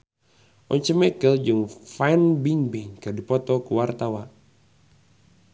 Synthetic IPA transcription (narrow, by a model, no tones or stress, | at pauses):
ʔɔɲt͡ʃəmɛkəld͡ʒɨŋfajnbiŋbiŋkɨrdipɔt̪ɔkuwart̪awa